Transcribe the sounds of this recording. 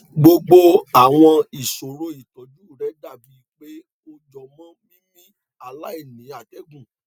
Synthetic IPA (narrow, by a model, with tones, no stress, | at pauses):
ɡ͡bo˧ɡ͡bo˦a˦˨w̃ɔ̃˧i˨so˨ɾo˧i˨tɔ̃˨˦d͡ʒu˦˨ɾɛ˨˦da˦˨bi˨˦k͡pe˦ | o˧d͡ʒɔ˨mɔ̃˦nĩ˦mĩ˦ | a˦˨la˦i˦˨nĩ˨˦a˦˨dɛ˨˦ɡũ˦˨